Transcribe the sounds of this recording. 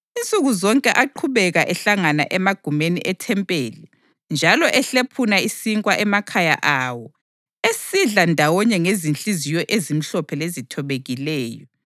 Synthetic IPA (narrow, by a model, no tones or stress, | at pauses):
int͡sʼuɣuzɔŋkʼɛʔaǃʰuβɛɣaʔɛɬaŋana̰ʔɛmaɡ̥ʱumenḭʔɛtʰɛmpʼeːli | nd͡ʒʱalɔʔɛɬepʰunaisiŋkʼwaʔɛmakʰaja̰ʔawɔ | esiɮandʱawɔɲɛŋezint͡ɬʼizijɔʔezim̩ɬɔpʰɛlezitʰɔβeɣilɛːjɔ